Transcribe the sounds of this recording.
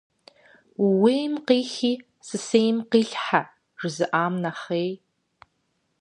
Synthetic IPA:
wweːjmqiːxiː | sɨsejmqiːɬħa | ʐ̥ɨzɨʔaːmnɐχeːj

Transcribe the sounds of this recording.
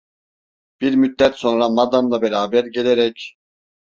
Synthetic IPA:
b̥iɾmyd̪ːɛt̪so̞nɾamad̪anlˠabɛɾaːbæɾɟe̞lʲeɾɛc

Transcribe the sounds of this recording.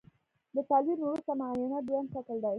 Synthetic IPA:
d̪ət̪ɑliɾnawɾust̪amaajʊnad͡ʒwand̪ʃakəld̪aj

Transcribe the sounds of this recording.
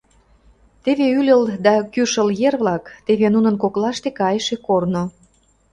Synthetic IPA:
t̪eβeylʲə̆ld̪ɑkyʃəljerβlɑkt̪eβenunə̆nkoklɑʃt̪ekɑjʃekorno

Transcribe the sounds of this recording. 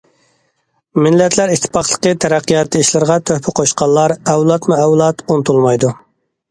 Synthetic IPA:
mɪlːɛt̪ʰlæɾiʃt̪ʰːɪ̥pʰɑχlˠəqət̪ʰɛɾɛqːijɑt̪ʰːɨiʃlˠɨɾʁɑt̪ʰøhpʰɪqʰoʃqɑlˠːɑɾɛwlˠɑt̪muɛwlˠɑt̪unt̪ʰulˠmɑjd̪u

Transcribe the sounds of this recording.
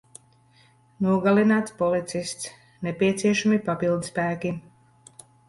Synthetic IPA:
nuɔɡalinaːt̪spɔlit̪sist̪s | nɛpiɛt̪siɛʃamipapilˠd̪spæːkʲi

